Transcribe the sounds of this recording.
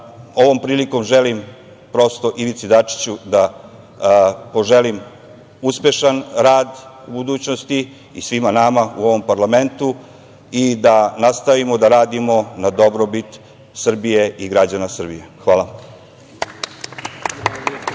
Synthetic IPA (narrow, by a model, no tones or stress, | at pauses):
o̞ʋo̞mpɾiːliko̞mʒelim | pɾo̞st̪o̞ʔiʋit̪sid̪at͡ʂi̥t͡ɕud̪a | po̞ʒelim | uspe̞ʃanɾaːd̪ | ubud̪uːt͡ɕnost̪i | isʋimanamaṵo̞ʋo̞mpaɾlame̞nt̪u | id̪anast̪aʋimod̪aɾaːd̪imo̞nad̪o̞bɾobit̪ | sr̩bije̞iɡɾad͡ʑanasr̩bije̞xʋaːlˠa